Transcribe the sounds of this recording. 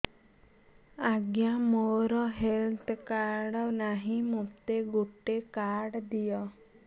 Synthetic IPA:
aɡjamoɾɔɦelt̪ʰkaɾɖɔnaɦĩmut̪eɡuʈekaɾɽd̪ijɔ

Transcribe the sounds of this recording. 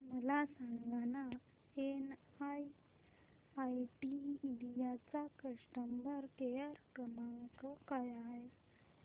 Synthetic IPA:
məlasãŋɡana | en | aj | ajʈiːlijat͡sakəʂʈəmbəɾkejəɾkɾəmaŋkəkajaɦe

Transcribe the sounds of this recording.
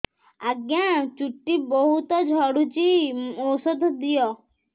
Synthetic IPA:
aɡjãt͡ʃuʈːibɔɦut̪ɔd͡ʒʱɔɽut͡ʃiowsɔd̪ʱd̪ijɔ

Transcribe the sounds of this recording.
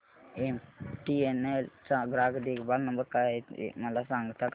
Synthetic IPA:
emʈienelsaɡɾaɡd̪ekbalnəmbəɾkaɦet̪ḛmalasaŋɡt̪ʰak

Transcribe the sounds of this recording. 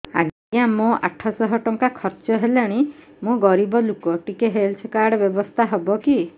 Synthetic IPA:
a̰ɡ | amõʔa̰ʈʰɔsɔɦɔʈɔŋkakʰɔɾt͡ʃɔɦelaɽ̃i | mũɡɔɾibɔlukɔʈikeɦelsʰɔkaɾɽɔbjɔbɔst̪ʰaɦɔbɔki

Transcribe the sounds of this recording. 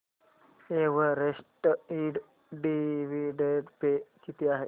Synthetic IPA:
eːʋəɾesʈəiːɖ | ɖiʋiɖeɖpekit̪iaɦe

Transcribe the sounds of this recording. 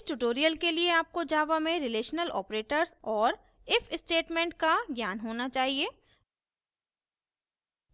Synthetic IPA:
sʈʊʈoːɾijəlkelieaːp̚kod͡ʒaːʋamẽɾɪleːʃnəlɔ̰ːpɾeːʈəɾzɔːɾ | ɪfɪsʈeːʈmẽːɳʈ̚kaɡjaːnɦoːnat͡ʃaːɦieː

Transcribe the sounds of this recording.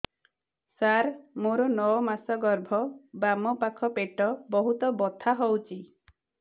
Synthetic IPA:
saɾmoɾɔnɔɔmasɔɡɔɾbʱɔbamɔpakʰɔpeʈɔbɔɦut̪ɔbɔt̪ʰaɦɔwt͡ʃʰi

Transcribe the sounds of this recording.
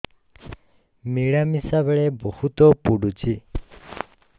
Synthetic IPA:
miɭamisabɛɭebɔhut̪ɔpuɽut͡ʃʰi

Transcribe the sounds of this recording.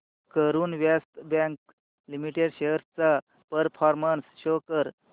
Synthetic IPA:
kəɾuːnʋjast̪bɛ̃ŋk | limiʈeɽɕeəɾt͡sa | pəɾpʰɔɾmənsɕokəɾ

